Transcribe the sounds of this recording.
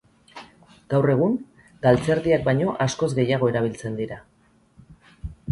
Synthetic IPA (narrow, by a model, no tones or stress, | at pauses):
ɡ̥awre̞ɣ̞uŋ | ɡalt͡se̞ɾðiak̚bajɲo̞ʔasko̞zɡe̞jaɣ̞o̞e̞ɾaβ̞ilt͡se̞nd̪iɾa